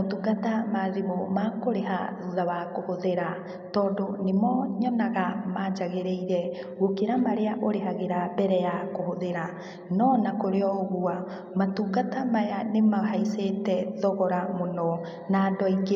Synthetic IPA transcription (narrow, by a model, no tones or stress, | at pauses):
otuɡatamaðimomakoɾeɦa̰ðuðaβakohoðeɾa | tɔːdonemɔɲɔnaɣamad͡ʒaɣeɾeiɾɛ | ɣokeɾamaɾeaʔoɾeɦaɣeɾabɛɾɛjakohoðeɾa | nɔnakoɾeɔɣua | matuɡatamajanemaɦaisetɛðɔɣɔɾamonɔ | nadɔiɡe